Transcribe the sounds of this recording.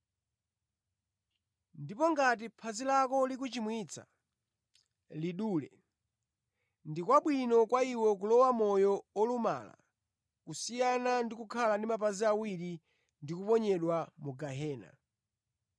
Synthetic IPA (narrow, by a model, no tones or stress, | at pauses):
ndipɔŋɡat̬ipʰazilakɔlik̬ut͡ʃimwit͡sʰa̰ | liɗuːlɛ̰ | ndikwaɓwinɔkwaiwɔkulɔwamɔjɔɔluma̰la̰ | kusijanandikukʰalandimapaziawiɾi | ndikupɔɲɛɗwamuɡaɦɛːna̰